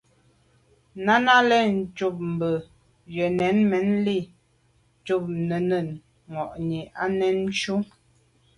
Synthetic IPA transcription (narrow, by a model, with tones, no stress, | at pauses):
na˦na˦lɛ˦˨n̩˨˦t͡ʃu˦˨p̚m̩˨bə˨ | ɥɛ˨nɛ˨˦nmɛ˨˦nli˦˨˦ | t͡ʃu˦˨p̚nə˨nə˨n | ŋɔ˨ʔni˨ʔa˦nɛ˨˦n˦ʃu˦